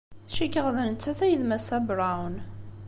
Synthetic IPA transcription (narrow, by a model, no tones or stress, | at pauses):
ʃikːəʁðænət͡sːæθæjðmæsæbɾˤawn